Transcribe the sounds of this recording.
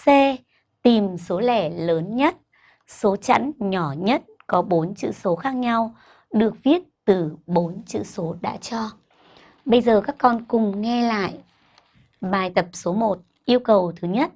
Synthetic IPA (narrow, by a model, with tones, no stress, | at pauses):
sɛ˧ | t̪i˨˩mso˨˦lɛ˧˩ləː˨˦nɲə˦˥t̚ | so˨˦t͡ɕa̰˧˥nɲɔ˧˩ɲə˦˥t̚kɔ˨˦ɓo˨˦nt͡ɕɨ̰˧˨so˨˦xaː˦˥k̚ɲa˧w | ɗɨ˨˩ək̚vi˦˥ət̚t̪ɨ˨˩ɓo˨˦nt͡ɕɨ̰˧˨so˨˦ɗa̰ː˧˥t͡ɕɔ˧ | ɓə˧jzəː˨˩kaː˦˥kːɔ˧nkʊ˨˩ŋ͡mŋɛ˧la̰ː˧˨j | ɓaː˨˩jt̪ə˨˩p̚so˨˦mo˨˩t̚ | ʔi˧əwkə˨˩wt̪ʰɨ˨˦ɲə˦˥t̚